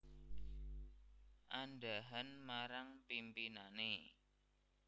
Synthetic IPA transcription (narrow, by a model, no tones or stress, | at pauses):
ʔandaɦanmaɾaŋpimpinane